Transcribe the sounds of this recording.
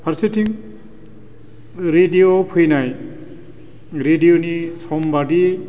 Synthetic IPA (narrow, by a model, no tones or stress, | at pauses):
pʰaɾsetʰiŋ | ɾedijopʰujnaj | ɾedijonisɔmbadi